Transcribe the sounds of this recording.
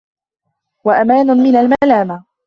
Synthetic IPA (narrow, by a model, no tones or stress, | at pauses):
waʔamaːnʊmɪnalmaːlaːma